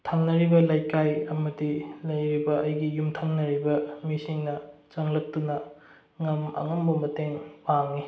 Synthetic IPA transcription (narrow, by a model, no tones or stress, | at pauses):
tʰaŋnɐɾibɐlajkajɐmɐdilɐjɾibɐɐjɡijumtʰaŋnɐɾibɐmisiŋnɐt͡ʃɐŋlɐk̚tunɐ | ŋɐmɐ̰ŋɐmbɐmɐteŋpaŋni